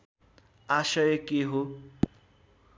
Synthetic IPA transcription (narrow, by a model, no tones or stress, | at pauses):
asʌjʌkeɦo